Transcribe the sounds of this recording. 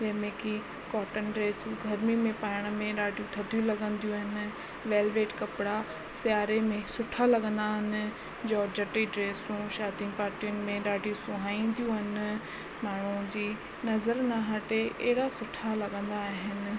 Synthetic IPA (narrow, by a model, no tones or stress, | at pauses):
d͡ʑɐ̃ɦɪ̃mẽki | kɔːʈənɖɾeːsũɡʱɐɾmimẽpaːɪɽ̃mẽɾaːɖijũt̪ʰɐt̪d̪ʱijũlɐɠə̃nd̪ijũɦɪnɪ̆ | ʋeːlʋeːʈkɐpɪɽa | sɪjaːɾemẽsʊʈʰalɐɠə̃nd̪aːɦɪnɪ̆ | d͡ʑɔːd͡ʑəʈiɖɾeːsũʃaːd̪inpaːt̪ijʊnɪ̆mẽɾaːɖijũsʊ̃ɦaːĩːn̆d̪ijũɦɪnɪ̆ | maːɳ̤ũd͡ʑiː | nɐzəɾnaɦãʈeʔeɦɪɽasʊʈʰalɐɠə̃nd̪aːɦɪnɪ̆